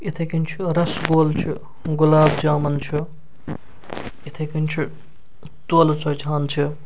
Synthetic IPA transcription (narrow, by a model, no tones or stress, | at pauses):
it̪ʰɐkint͡ʃʰuɾɐsɡoːlt͡ʃʰu | ɡulaːbd͡ʒaːmɐnt͡ʃʰu | it̪ʰɐkint͡ʃʰu | t̪uːlut͡sɐjt͡ʃʰaːnt͡ʃʰu